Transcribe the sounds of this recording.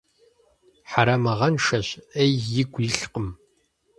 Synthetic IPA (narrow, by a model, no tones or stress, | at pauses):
ħaɾɐmɐʁɐnʃɐɕejːɪɡʷjɪɬqəm